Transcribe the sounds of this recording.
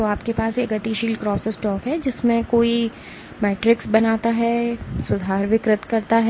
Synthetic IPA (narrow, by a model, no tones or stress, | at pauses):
t̪oaːpkepaːseɡɐt̪iʃiːlɖkɾɔːsəsʈɔːkɦɛd͡ʒɪsmẽkoːi | mɛːʈɾɪksbɐnaːt̪aɦɛsʊd̪ʱaːɾʋɪkɾɪt̪kɐɾt̪aɦɛ